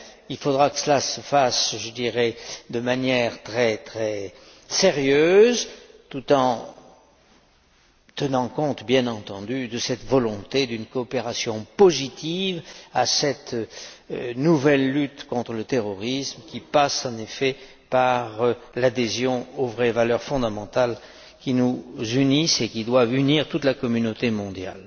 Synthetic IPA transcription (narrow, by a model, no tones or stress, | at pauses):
ilfod̪ʁakə̥səlasəfasʒəd̪iʁɛd̪əmanjɛʁt̪χɛt̪χɛ | seʁjøzt̪ut̪ɑ̃ | t̪ənɑ̃kɔ̃t̪bjɛ̃nɑ̃t̪ɑ̃d̪yd̪əsɛt̪vɔlɔ̃t̪ed̪ynkɔːpeʁasjɔ̃pozit̪ivasɛt̪ | nuvɛlːyt̪kɔ̃t̪χələt̪eʁɔʁismkʲipasɑ̃nefɛ | paʁlad̪ezjɔ̃ovʁɛvalœʁfɔ̃d̪amɑ̃t̪al | kʲinuzynisekʲid̪wavyniʁt̪ut̪lakɔmynot̪emɔ̃d̪ja̰l